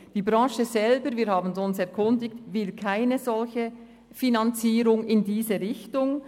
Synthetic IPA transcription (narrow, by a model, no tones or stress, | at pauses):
d̥iːbʁɑ̃ːʃəzɛlbəɾviːɾhaːbn̩sʊnsɛɐkʰʊndɪktvɪlkʰaɪnəzɔlçə | finɑnt͡siːɾʊŋɪndiːzəʁɪçtʊŋ